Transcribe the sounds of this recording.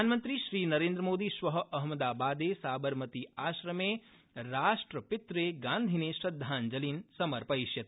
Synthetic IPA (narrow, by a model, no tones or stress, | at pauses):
aːnmə̃nt̪ɾiʃɾiːnɐɾẽːnd̪ɾəmoːd̪iʃʋɐɦɐʔɐɦmɐd̪aːbaːd̪eːsaːbɐɾmɐt̪iaːʃɾɐmeː | ɾaːʃʈɾəpɪt̪ɾeːɡãːnd̪ʱineʃɾɐd̪ʱːaːnd͡ʒɐliːnsɐmɐɾpɐiʃjɐt̪̚